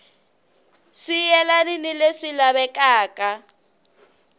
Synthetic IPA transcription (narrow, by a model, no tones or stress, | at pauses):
ʂijɛlaninileʂilaβɛkʼaːkʼa